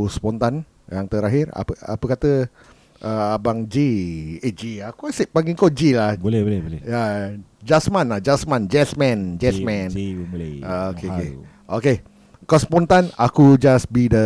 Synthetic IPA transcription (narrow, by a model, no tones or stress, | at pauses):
spɔnt̪an | jaŋt̪əɾaɦira̰pəa̰pəkat̪ə | ʔəabaŋd͡ʒied͡ʒiakuasiʔpaŋɡiŋkod͡ʒilahbolɛolɛbolɛjad͡ʒasmãnlahd͡ʒasmãnd͡ʒɛsmɛ̃nd͡ʒɛsmɛ̃n | aokeoke | ʔoke | kaspɔnt̪anakud͡ʒasbidə